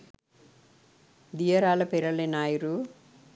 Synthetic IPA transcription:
d̪iːjɐɾaːlɐpɛɾɐlenaːjiɾu

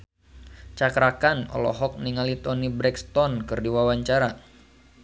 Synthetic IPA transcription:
t͡ʃakɾakanɔ̰lɔ̰ɦɔk̚niŋalit̪ɔnibɾɛkst̪ɔnkɨrdiwawaɲt͡ʃaɾa

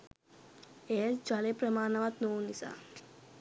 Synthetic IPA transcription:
esd͡ʒalepɾɐmaːnɐʋat̪noːnisa̰

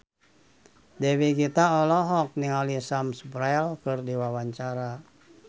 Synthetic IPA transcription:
dɛwiɡit̪aɔlɔɦɔk̚niŋalisamsu̥pɾaɛlkɨrdiwawaɲt͡ʃaɾa

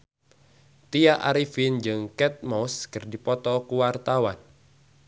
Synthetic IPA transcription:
t̪iaʔaɾifind͡ʒɨŋkɛt̪̚mɔskɨrdipɔt̪ɔkuwart̪awan

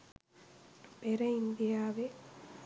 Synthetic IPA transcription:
peɾɐind̪ijaːʋe

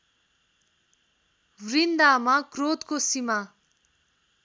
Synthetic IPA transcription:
rind̪amakrot̪kosima

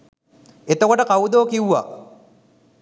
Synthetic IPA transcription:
et̪okoʈəkawud̪oːkiwːa̰ː

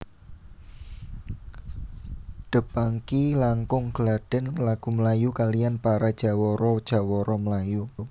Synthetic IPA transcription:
ɖ̪̥ə̤paŋkilaŋkʊŋɡ̥əlaɖ̥ə̤nlaɡ̥ṳməlajukalijanpaɾad̥ʒ̥a̤wɔɾɔd̥ʒ̥a̤wɔɾɔməlaju

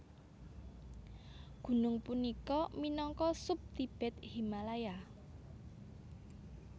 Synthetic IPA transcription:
ɡ̥ṳnʊŋpunikɔminɔŋkɔsʊp̚t̪ib̥ɛt̪himalaja

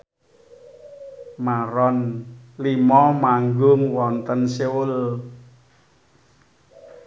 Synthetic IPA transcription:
maɾɔnlimɔmaŋɡʊŋwɔnt̪ənsewʊl

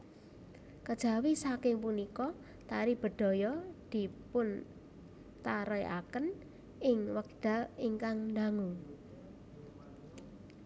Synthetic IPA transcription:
kəd̥ʒ̥a̤wisakɪŋpunikɔ | t̪aɾib̥ə̤d̪̥o̤jɔd̪̥i̤pʊn | t̪aɾəjʔa̰kən | ɪŋwək̚ɖ̥a̤iŋkaŋnd̪aŋu

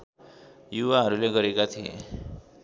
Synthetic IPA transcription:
juwaɦʌɾuleɡʌɾekat̪ʰiḛ

